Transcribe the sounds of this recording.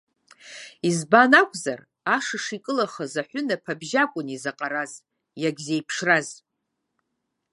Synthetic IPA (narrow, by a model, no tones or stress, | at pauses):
izbanakʷʼza̰r | aʂɨʂikʼɨlaχazaħʷʊnapʰabʒakʷʼʊnizaqʼaɾaz | jaɡʲzejpʰʂraz